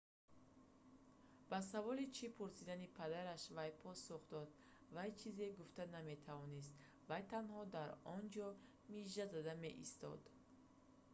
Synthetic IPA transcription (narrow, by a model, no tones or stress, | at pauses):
b̥as̬avɔlit͡ʃʰipʰuɾsid̪anipʰad̪aɾaʃvajpʰɔsuχd̪ɔd̪ | vajt͡ʃʰize̞ɡuft̪aname̞t̪ʰavɔnis̬t̪ | vajt̪ʰanhɔd̪aɾɔnd͡ʒɔ | miʒazad̪ame̞̰ʔḭst̪ɔ̰d̪